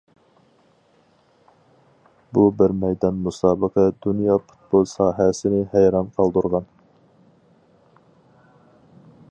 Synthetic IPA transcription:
bubɪɾmɛjd̪ɑnmusɑːbəqʰɛd̪unjɑːpʰu̥t̪̚bolˠsɑːɦɛsɪnɪhæjɾɑmqʰɑlˠd̪uɾʁɑn

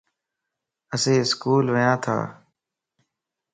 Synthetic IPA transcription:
əsẽːɪskuːlʋəjãːt̪ʰa̰ː

